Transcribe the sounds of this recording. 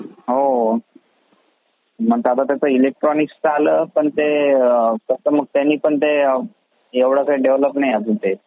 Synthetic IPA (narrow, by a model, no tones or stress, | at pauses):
ɦo | m̤əɡ̚t̪at̪̬at̪at͡səilek̚ʈɾɔnikstəaləːpəɳt̪e | kəsəməɡ̚t̪anːiːpəɳt̪e | eʋɽ̤akəɾeɖeʋləpnajad͡zut̪e